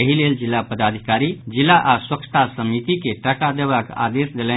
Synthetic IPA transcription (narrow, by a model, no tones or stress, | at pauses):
əɦileld͡ʒilːapəd̪ad̪ʱikaɾid͡ʒilaʔaɾswəkʃʰə̥t̪ʰasəmit̪ikeʈəʈad̪eʋaka̰d̪esd̪elɛ̃